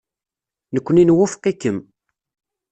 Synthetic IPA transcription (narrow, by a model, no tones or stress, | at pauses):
nəkʷːninwʊfqːikːəm